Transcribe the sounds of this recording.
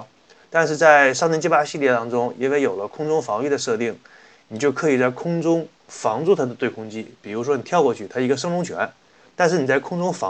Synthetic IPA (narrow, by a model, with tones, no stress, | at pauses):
t̪a˥˧nʂɻ̩˥˧t͡sa˥˧ɪʂɑ˥˧ŋʰɛ˥nt͡ɕʰi˥˩pa˥ɕi˥˧ljɛ˥˩t̪ɑ˥ŋʈ͡ʂʊ˥ŋḭ˥nwe˥˧ɪjo˨˩ʊlə˦kʰʊ˥ŋʈ͡ʂʊ˥ŋfɑ˧˥ŋi˥˩d̪ə˩ʂɤ˥˧t̪i˥˩ŋ | ni˨˩t͡ɕjo˥˧˩ʊkʰɤ˧˥i˨˩t͡sa˥˩ɪkʰʊ˥ŋʈ͡ʂʊ˥ŋ | fɑ˧˥ŋt͡su˥˩t̪ʰa˥d̪ə˨t̪we˥˩ɪkʰʊ˥ŋt͡ɕi˥pi˨˩ɻu˧˥ʂ̬wɔ˥ni˨˩t̪ʰjɑ˥˧ʊkwɔ˥˧t͡ɕʰy˥˩t̪ʰa˥i˧˥ɡə˧ʂ̬ɤ˥ŋɻʊ˧˥ŋt͡ɕʰɥɛ̰˧˥n | t̪a˥˧nʂ̬ɻ̩˥˩ni˨˩t͡sa˥˩ɪkʰʊ˥ŋʈ͡ʂʊ˥ŋfɑ̰˧˥